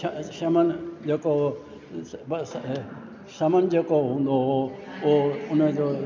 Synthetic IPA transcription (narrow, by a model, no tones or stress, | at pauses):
ʃɐmənd͡ʑeːko | ʃɐmənd͡ʑeːkoɦũːnd̪oɦooʊnəd͡ʑoː